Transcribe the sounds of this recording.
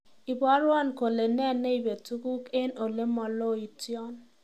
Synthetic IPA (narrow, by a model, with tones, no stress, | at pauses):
i˨ba˦ɾwɔ˦˨nko˨le˨nɛ˦˨nːe˦i˨be˨tu˦ku˦ke˦no˨le˦mɔ˨lo˦˨i˨tjɔ˦n